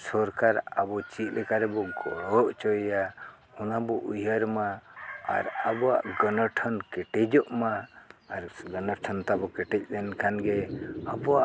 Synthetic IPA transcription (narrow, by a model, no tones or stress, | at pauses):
sɔɾkaɾabɔt͡ʃit̪̚ˀlɛkaɾɛbɔɡɔɔʔt͡ʃɔjja | hunabɔʔujəɾma̰ː | ɾabɔa̰ʔɡɔnɔʈʰɔnkɛʈɛd͡ʒɔʔmaːɾɡɔnɔɾʈʰɔnt̪abɔkɛʈɛc̚lɛnkʰanɡɛabɔaʔ